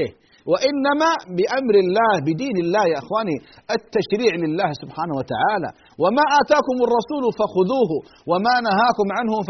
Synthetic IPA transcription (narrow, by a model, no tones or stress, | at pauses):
ɪh | waʔɪnːamabɪʔamɾɪlːaːhbɪd̪iːnɪlːaːhjaːʔɪxwaːniʔɪt̪ːaʃɾiːʕlɪlːaːhsʊbħaːnahwat̪a̰ʕaːla̰ | wamaːʔaːt̪aːkʊmɑrˤːɑsuːlʊfaxʊðuːɦʊ | wamaːnaɦaːkʊmʕanhʊf